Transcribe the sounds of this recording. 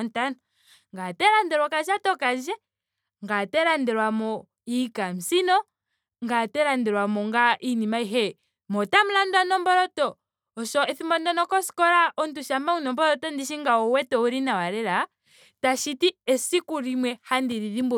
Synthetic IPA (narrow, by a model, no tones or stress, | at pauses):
ntanɔ | ŋɡatɛɾandɛɾwakaʃatɔkand͡ʒɛ | ŋɡatɛɾandɛɾwamɔ | ikam̩sinɔ | ŋɡatɛɾandɛɾwamɔŋɡaʔinimaiɦɛ | mɔtamulandanɔmbɔɾɔtɔː | ʃɔɛθimbɔndanɔkɔsi̥kɔɾaʔɔntuʃamaunɔmbɔɾɔtɔndiʃiŋɡaɔwɛtɔuɾinawaɾɛɾa | taʃitiɛsikuɾimwɛhandiɾiðimbu